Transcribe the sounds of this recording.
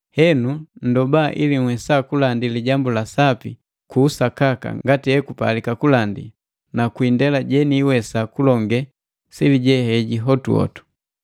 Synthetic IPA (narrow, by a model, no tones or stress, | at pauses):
hɛnun̩dɔbaʔiliŋ̩wɛsakulandiliɟambulasapi | kuːsakaka̰ŋɡatiɛkupa̰likakulandḭ | nakwindɛlaɟɛniːwɛsakulɔŋɡɛ | siliɟɛhɛɟiɦɔtuɔ̰tu̥